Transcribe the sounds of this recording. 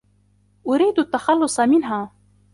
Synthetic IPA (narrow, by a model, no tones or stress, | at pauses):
ʔʊɾiːd̪at̪ːaxɑlːʊsˤmɪnɦaː